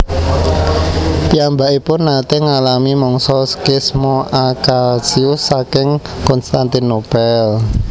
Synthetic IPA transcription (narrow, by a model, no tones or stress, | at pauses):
piambaʔipʊnːat̪eŋalamimɔŋsɔskɪsmoakalsiʊsːakɪŋ | kɔnst̪ant̪inob̥ɛl